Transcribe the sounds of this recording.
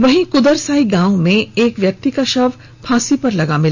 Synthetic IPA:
ʋɐɦĩkʊd̪əɾsaːiɡãːw̃mẽeːkʋjɐk̚t̪ikaʃɐʋ | pʰaːsipɐɾlɐɡamɪl

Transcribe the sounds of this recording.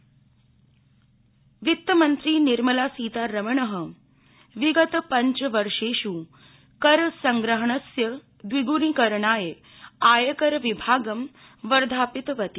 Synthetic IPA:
ʋit̪ːəmənt̪ɾiːniɾməlasiːt̪aɾəmɳəɦə | ʋiɡət̪pəɲt͡ɕʋəɾʂeɕu | kəɾsəŋɡɾəɦəɳəsjə | d̪ʋiɡuɾikəɾɳaːje | ajəkəɾʋibʱaːɡəm | ʋəɾd̪ʱaːpit̪ʋɐt̪i

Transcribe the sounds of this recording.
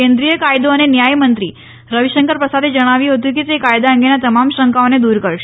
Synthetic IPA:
end̪ɾijəkajd̪oənenjajmənt̪ɾiː | ɾəʋiɕəŋkəɾpɾəsad̪ʱid͡ʒəɽ̃aʋiɦot̪̬ĩkit̪ekajd̪aəŋɡenat̪əmamɕəŋkaʋned̪uːɾkəɭʃe

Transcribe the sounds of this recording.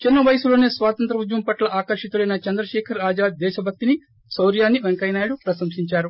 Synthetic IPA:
t͡ʃinːɐʋɐjɐsulo̞ːne̞ːsʋaːt̪ɐnt̪ɾɐʋud͡ʒʋɐmpɐʈlɐʔaːkɐɾʃit̪uɽɐjnɐt͡ʃɐnd̪ɾɐʃɛːkʰɐɾaːd͡ʒaːd̪̚d̪ɛːʃɐbʱɐk̚t̪ini | sɐwɾjaːnːiʋeŋkɐjnaːjlupɾɐsɐmsiɲt͡ʃaːɾu

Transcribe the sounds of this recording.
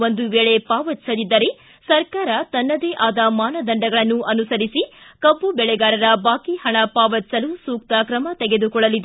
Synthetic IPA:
ond̪uʋeːɭepaːʋɐt̪sɐlid̪ːɐɾe | sɐɾkaːɾɐt̪ɐnːɐd̪eʔaːd̪ɐmaːnɐd̪ɐɳɖɐɡɐɭɐnːuʔɐnusɐɾisikɐbːubɛɭɛɡaːɾɐɾɐbaːkihɐɳɐpaːʋɐt̪ːsɐlusuːk̚t̪ɐkɾɐmɐt̪ɛɡe̞d̪ukɔɭɐlid̪

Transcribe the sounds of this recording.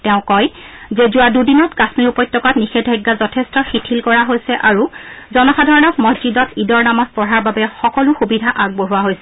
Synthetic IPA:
tɛʊ̃kɔjzezʊwadudinɔtkasmiɹupɔjtːɔkatnixɛdʱajɡːazɔtʰɛstɔxitʰilkɔɹaɦojsɛʔaɹuzɔnɔxadʱɔɹɔnɔkmɔzd͡ʒidɔtʰidɔɹnamaspɔɹaɹbabɛxɔkɔlʊxubidʱaʔaɡ̚boɦuwaɦojsɛ

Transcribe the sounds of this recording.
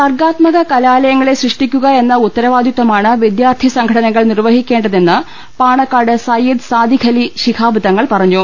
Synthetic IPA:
sɐrɡaːt̪mɐɣɐkɐlaːlɐjɐŋːɐɭeɕrɨʂʈikʲːuɣɐe̞nːɐut̪ːɐɾɐʋaːd̪jut̪ːwɐmaːɳɨʋid̪jaːrt̪ʰisɐŋɡʱɐɽɐnɐŋːɐɭnirʋɐɦikʲːe̞ːɳɖɐðe̞nːɨ | paːɳɐkːaːɽɨsɐjid̪saːd̪ʱikʰɐliɕikʰaːbʱɨðɐŋːɐɭpɐrɐɲːu

